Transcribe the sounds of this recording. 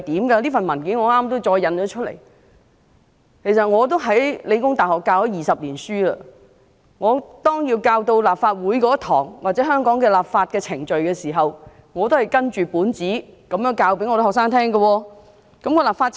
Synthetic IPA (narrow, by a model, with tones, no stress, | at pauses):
t̪iː˨˥mɡɐ˧liː˥fɐ˨nmɐ˨˩nkiː˨˥nŋɔː˨˧ŋaː˥mt̪o˥wt͡ʃɔː˧jːɐ˨˧nt͡ʃɔ˨˧˥t͡ʃʰɵ˥lḛ˨˩j | kʰe˨˩jsɐ˨t̚ŋɔː˨˧t̪̬o˥wɦɐ˨˥jle˨˧jkʊ˥ŋt̪aː˨˩jhɔː˨kːaː˧whɔ˨˥wjiː˨sɐ˨p̚liː˨˩nsyː˥lə˧ | ŋɔː˨˧t̪ɔː˥ŋjiː˧wkaː˧wt̪o˧wlaː˨p̚faː˧t̚wuː˨˥jkɔː˨˥t̪ʰɔː˨˩ŋwaː˨t̚t͡sɛː˨˥ɦœː˥ŋkɔː˨˥ŋkɛː˧laː˨p̚faː˧t̚kɛː˧t͡sʰɪ˨˩ŋt͡ʃɵ˨ɥkɛː˧siː˨˩ɦɐ˨w | ŋɔː˨˧t̪o˥whɐ˨jkɐ˥nt͡ʃyː˨puː˨˥nt͡siː˨˥kɐ˨˧mjœː˨˥ŋkaː˧wpe˨˥ŋɔ˧ɾo˥hɔː˨k̚saː˥ŋt̪ʰɛː˥ŋɡɐ˧wɔː˧ | kɐ˨˥mkɔː˧laː˨pfaː˧t̚